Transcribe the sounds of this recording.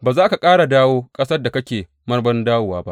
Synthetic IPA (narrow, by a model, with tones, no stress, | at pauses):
baː˨zaː˦ka˨kʼaː˦ɽa˨daː˦woː˦kʼɐ˦sɐ˦da˨kɐ˦kʲeː˨ | mɐ˦rbɐ˦ndaː˦wʊ˨waː˦ba˦ʔ